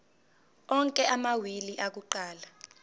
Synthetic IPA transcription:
ɔŋkʼɛʔamawiliʔak̬uǃaːla

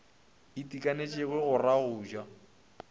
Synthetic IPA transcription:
ɪtʼikʼanet͡ʃʼɪɣwɛɣʊraɣʊːd͡ʒwa

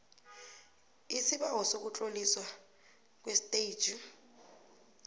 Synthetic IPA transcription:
isɪbaɦɔsok̬ut͡ɬʼoliswa | k̬ʼwestei̥d͡ʒu

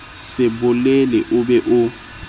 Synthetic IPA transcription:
sɪbʊlelɛʔʊbɛʔʊ

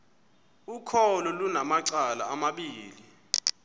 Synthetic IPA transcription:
ukʰɔlɔlunamaǀala̰ːmaɓiːli

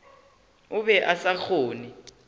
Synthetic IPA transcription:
ʊβɛʔasak͡xʰoːni

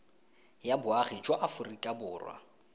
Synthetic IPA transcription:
jabʊaχid͡ʒʼwaʔafʊrikʼabʊːrwa̰

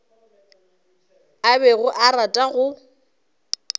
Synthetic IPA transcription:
abɛɣʊʔaɾatʼaɣʊ

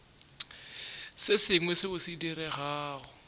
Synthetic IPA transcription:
sɪsɪŋwɛsɪbʊsidirɛɣaːɣʊ

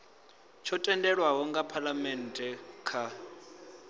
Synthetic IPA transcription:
t͡ʃʰɔtʼɛndɛɺwaɦɔŋɡapʰalamɛntʼɛkʰa

